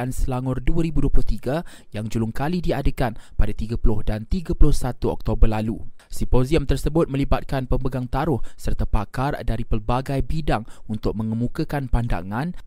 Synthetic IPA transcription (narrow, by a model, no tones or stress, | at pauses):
ansəlaŋʊrduaɾibuduəplʊht̪iɡa | jaŋd͡ʒulʊŋkalidiadəkanpadat̪iɡapulʊhdant̪iɡapulʊhsat̪uɔ̰k̚t̪obərlalusipoziəmt̪ərsəbʊt̪̚mə̃libat̪̚kanpəmbəɡaŋt̪aɾʊhsərt̪apakardaɾipərbaɡajbidaŋunt̪ʊk̚mə̃ŋəmũkəkanpanda̰ŋãn